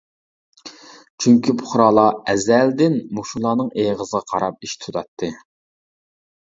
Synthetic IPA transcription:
t͡ʃʰyŋkʲipʰʊ̥χɾɑːlˠɑɛzæld̪ɪnmuʃulˠɑːnɨŋeʁəzəʁɑqʰɑɾɑp̚iʃt̪ʰut̪ʰɑt̪ʰːɨ

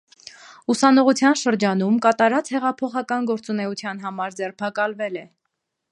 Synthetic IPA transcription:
usɑnɔʁut͡sʰjɑnʃəɾd͡ʒɑnumkɑt̪ɑɾɑt͡shɛʁɑpʰɔχɑkɑnɡɔɾt͡sunɛut͡sʰjɑnɦɑmɑɾd͡zɛrpʰɑkɑlvɛlɛ

